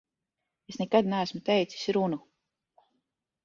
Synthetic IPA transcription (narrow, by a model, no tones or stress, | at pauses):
esnɛkad̪næːsmut̪ejt̪si̥sʲɾunu